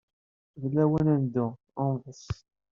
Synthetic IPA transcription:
ðlːæwənænd̪ʊ | ʊmvəs

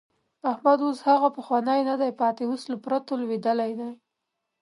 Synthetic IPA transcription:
ahmad̪oshaɣapəxwanəjnad̪ajpɑt̪ewuslapɾat̪olwed̪əlajd̪aj

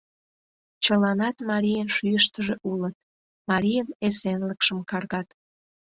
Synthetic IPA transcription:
t͡ɕəlɑnɑt̪mɑɾʲijənʃyjəʃt̪əʒeʔulət̪̚ | mɑɾʲijənesenləkʃəmkɑrɣɑt̪

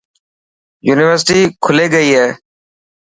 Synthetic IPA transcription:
juːnɪʋəɾsʈiːkʰʊleːɡəiːɦɛː

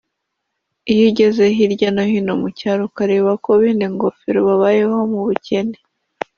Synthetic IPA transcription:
ijiɟe̞ze̞ɦiɾɟanohino̞mucaɾukaɾeβakoβiːndiŋɡo̞fiɾoβaβaje̞ho̞muβuce̞ne

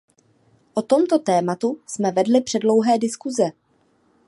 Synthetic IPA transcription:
ʔo̞t̪o̞mt̪o̞t̪ɛːmat̪usmɛvɛdlɪpr̝̥ɛdlo̞wɦɛːdɪskuzɛ

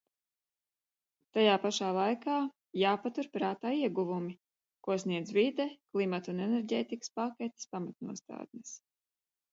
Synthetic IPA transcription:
t̪ajaːpaʃaːlˠajkaː | jaːpat̪uɾpɾaːt̪aːiɛɡuvumi | kuɔsniɛd̪zvid̪ɛklˠimat̪unɛnɛɾɟɛːt̪ikə̥spakʲet̪i̥spamat̪nṵɔst̪a̰ːd̪nes

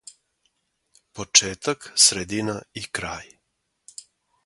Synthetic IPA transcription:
pot͡ʃeːt̪aksɾed̪inaikɾaːj

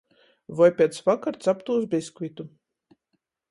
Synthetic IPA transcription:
vajpʲɛt̪svakaɾt̪sapt̪uːzbʲiskvʲit̪u

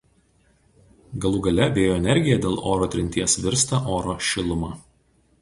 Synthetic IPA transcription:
ɡɐlˠʊɡɐlʲɛbʲeːjoːɛnʲɛɾʲɡʲɪjɛd̪ʲeːlˠʔoːɾoːt̪ʲɾʲɪnʲt̪ʲiɛsʋʲɪɾst̪ɑʔoːɾoːʃʲɪlˠʊmɑː

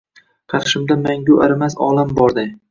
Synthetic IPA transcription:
qʰɑt̪ʰʃɪmd̪amaŋɡʲʊʔaɾɪmasɒ̰lˠambɒɾd̪ɪ

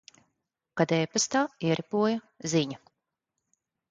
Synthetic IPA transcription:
kad̪ɛːpast̪aːiɛɾʔipuɔjɐ | ziɲa

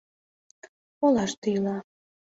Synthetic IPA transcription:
olɑʃt̪ijlɑ

